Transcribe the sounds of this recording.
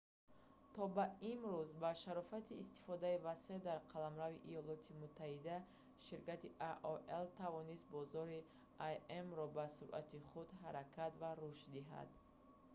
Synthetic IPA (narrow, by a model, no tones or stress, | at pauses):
t̪ʰɔbaimɾuzbaʃaɾɔfat̪ʰiːst̪i̥fɔd̪aivased̪aɾqʰalamɾaviʔijɔlɔt̪ʰimut̪ʰːahid̪a | ʃiɾkat̪iʔaʔɔʔelt̪ʰavɔnist̪̚bɔzɔɾi | ajemrɔbasuɾʔa̰t̪ʰiχud̪ɦaɾakʰat̪vaɾuʃtd̪iɦa̰d̪